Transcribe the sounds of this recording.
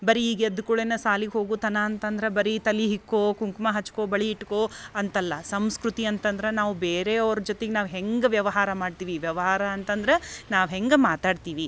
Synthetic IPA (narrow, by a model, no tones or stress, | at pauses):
bɐɾiːɡeɐd̪ukuɭenɐsaːliɡɦo̞ːɡut̪ɐnɐːnt̪ɐnd̪ɐɾebɐɾit̪ɐliɦikːokuŋkmɐɦɐt͡ʃːko̞ːbɐɭiːʈːkoːɐnt̪ɐlːɐsɐmskɾut̪iɐnt̪ɐnd̪ɐɾenaːʋubeːɾeɐʋɐɾud͡ʒot̪eɡenaːʋɦeŋɡʋjɐʋɐɦaːɾɐmaːɖt̪iːʋiʋjɐʋɐɦaːɾɐːnt̪ɐnd̪ɐɾenaːʋɦeŋɡmaːt̪aːɖt̪iːʋi